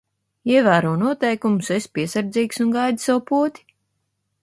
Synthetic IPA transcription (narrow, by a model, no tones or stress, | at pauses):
iɛvæːɾuɔnuɔt̪ɛjkumusespʲiɛsaɾd̪ziːksunɡajd̪ʲi̥sawpuɔt̪ʲi̥